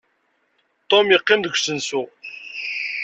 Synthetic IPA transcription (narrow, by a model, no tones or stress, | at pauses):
t̪ˤomjəqːɪmðəɡʷsənsu